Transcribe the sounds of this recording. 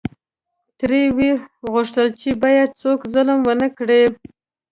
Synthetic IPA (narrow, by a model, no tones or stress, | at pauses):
t̪ɾewiɣʊʂt̪əlt͡ʃebɑjad̪̚t͡sokzʊlmwənəkɽe